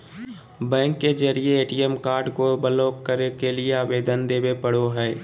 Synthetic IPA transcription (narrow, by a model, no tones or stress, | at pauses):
bɛ̃ːŋkːed͡ʒəɾieeːʈiɛmkaːɾɖkobəloːkkəɾekelieaːʋeːd̪ənd̪eːwepəɽoɦɛː